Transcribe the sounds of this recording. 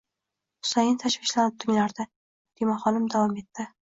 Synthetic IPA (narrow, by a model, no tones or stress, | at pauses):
hʊ̥sajɪnt̪ʰaʃvɪʃlaɾɪp̚t̪ʰɪŋʲlaɾd̪ɪ | d̪̥emɒχɒnɪmd̪avɒme̞t̪ʰːɪ